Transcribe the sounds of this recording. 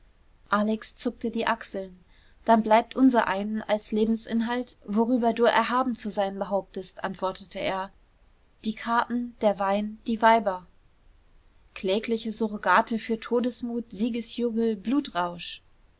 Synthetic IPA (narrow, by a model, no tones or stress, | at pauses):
ʔaːlɛkst͡sʊk̚tədiːʔaksl̩n | d̥anblaɪp̚tʔʊnzɐʔaɪnənalsleːbm̩sʔɪ̰nɦaltvoʁyːbɐduːʔɛ̰ɐɦaːbm̩t͡suzaɪnbəɦaʊp̚təstʔantv̥ɔɐtətʰəeːɐ | d̥iːkʰaɐtn̩d̥eːɐvaɪnd̥iːvaɪbɐ | kʰl̥ɛːklɪçəzuʁoɡaːtʰəfyːɐtʰoːdəsmuːtz̥iːɡəsjuːɡl̩bluːtʁaʊʃ